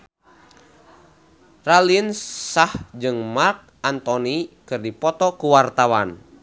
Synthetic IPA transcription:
ralinsahd͡ʒɨŋmark̚ant̪ɔnikɨrdipɔt̪ɔkuwart̪awan

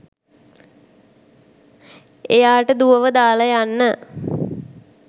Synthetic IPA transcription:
ejaːʈəd̪uʋəʋəd̪aːləjanːə

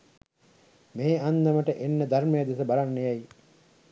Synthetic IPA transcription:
meːanːəməʈəʔenːəd̪armejad̪esəbaɾanːejaj

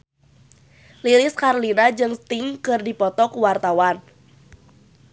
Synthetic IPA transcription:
lilɪskarlinad͡ʒɨŋst̪ɪŋkɨrdipɔt̪ɔkuwart̪awan

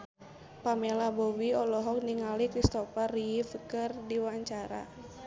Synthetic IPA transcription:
pamɛlabɔwiɔlɔɦɔk̚niŋalikɾist̪ɔpariifəkərdiwaɲt͡ʃaɾa̰

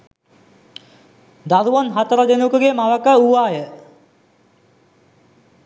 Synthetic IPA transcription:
d̪aðuʋɐnɦɐt̪əɾəd̪enukuɡemaʋəkəuʋaːjə

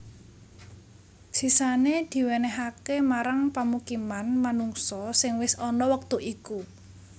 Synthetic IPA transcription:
ʒ̥i̤saned̪̥i̤wenɛɦakemaɾaŋpamukimanmanuŋsɔsɪŋwɪsɔnɔwək̚t̪uʔiku

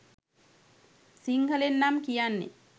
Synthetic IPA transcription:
siŋɡəlenːamkijanːḛ

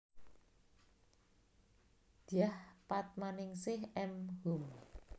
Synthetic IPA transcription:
d̪̥ijahpat̪̚manɪŋsɪhɛmhum

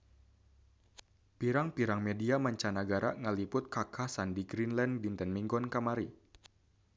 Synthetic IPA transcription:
piɾaŋpiɾaŋmediamaɲt͡ʃanaɡaɾa̰ŋəlipʊt̪̚kakʰahsandiɡɾinlɛndint̪ɛnmiŋɡɔnkamaɾi

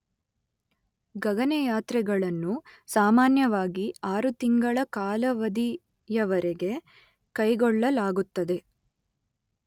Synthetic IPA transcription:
ɡɐɡɐnejaːt̪ɾɛɡɐɭɐnːusaːmaːnjɐʋaːɡiaːɾut̪iŋɡɐɭɐkaːlɐʋɐd̪i | jɐʋɐɾeɡe̞ | kɐjɡɔɭːɐlaːɡut̪ːɐd̪e̞

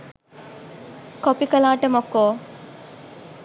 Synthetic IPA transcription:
kopikɐlaːʈɐmokoː

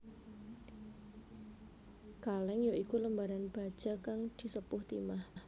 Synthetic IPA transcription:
kalɛŋjoʔikuləmbaɾanb̥a̤d̥ʒ̥a̤kaŋd̪̥i̤səpʊht̪imah

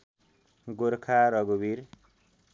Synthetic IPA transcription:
ɡoɾkʰaɾʌɡubiɾ

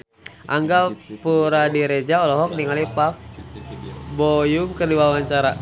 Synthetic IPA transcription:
ʔaŋɡapuɾadiɾed͡ʒaɔlɔɦɔk̚niŋalipak̚ | bojumkərduwawaɲt͡ʃaɾa

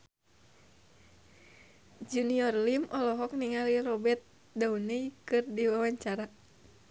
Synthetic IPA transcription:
d͡ʒuniɔrlimʔɔlɔɦɔk̚niŋalirɔbɛt̪̚ | dauneikɨrdiwawaɲt͡ʃaɾa

